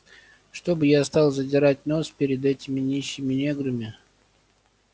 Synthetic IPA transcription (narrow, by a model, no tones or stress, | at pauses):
ʂt̪o̞bɨjast̪ɑlˠzədʲɪɾatʲno̞spʲɪɾʲɪd̪ɛtʲɪmʲɪnʲiɕːɪmʲɪnʲeɡɾɨmʲɪ